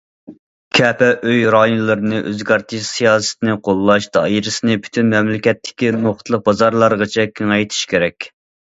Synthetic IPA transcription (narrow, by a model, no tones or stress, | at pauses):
kʲʰɛpɛʔøjɾɑːjonlˠɨɾɨnɨʔøzɡɑɾt̪ʰɨʃsijɑːsɪ̥t̪ɪnɨqʰolˠːɑʃd̪̥ɑ̰jiɾɨsɨnɨpʰy̥t̪ʰynmɛmlɪkʲɛt̪ʰːɪ̥kʲinoχt̪ʰlˠəq̚bɑzɑɾlˠɑɾʁət͡ʃʰɛkʲʰeŋɛjt̪ʰi̥ʃkʲeɾɛkʲ